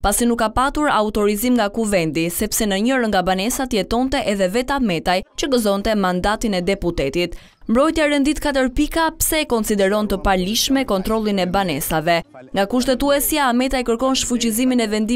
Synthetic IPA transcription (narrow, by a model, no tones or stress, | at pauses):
pasinukːapat̪uɾaut̪ɔɾizimŋɡakuvɛnd̪isɛpsɛnəɲəɾəŋɡabanɛsat̪əjɛt̪ɔnt̪ɛʔɛðɛvɛt̪amɛt̪ajt͡ɕəɡəzɔnt̪ɛmand̪at̪inɛd̪ɛput̪ɛt̪it̪ | mbɾɔjt̪jaɾɛnd̪it̪kat̪̬əɾpikapsɛkɔnsid̪ɛɾɔnt̪əpaliʃmɛkɔnt̪ɾɔlˠinɛbanɛsavɛ | ŋɡakuʃ̬t̪ɛt̪uɛsjaːmɛt̪ajkəɾkɔnʃfut͡ɕiziminɛvɛnd̪i